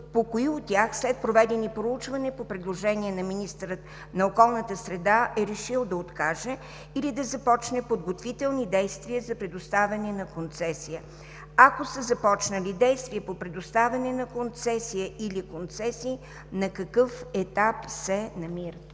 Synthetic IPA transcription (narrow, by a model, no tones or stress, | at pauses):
pokoiot̪̚ːʲaxslɛt̪̚pɾovɛd̪ɛnipɾout͡ʃvɐnɛpopɾɛd̪lˠoʒɛniɛnɐminist̪ɾət̪ | nɐokɔlˠnət̪əsɾɛd̪aʔɛɾɛʃilˠd̪ɐot̪kaʒɛ | ilid̪ɐzɐpɔt͡ʃnɛpod̪ɡot̪vit̪ɛlˠnid̪ɛjst̪viəzɐpɾɛd̪ʊst̪avʲɐnɛnɐkont̪sɛsijə | ɐkosəzɐpɔt͡ʃnəlid̪ɛjst̪viəpopɾɛd̪ʊst̪avʲənɛnɐkont̪sɛsijəʔilikont̪sɛsiː | nɐkɐkɤfɛt̪apsɛnɐmiɾət̪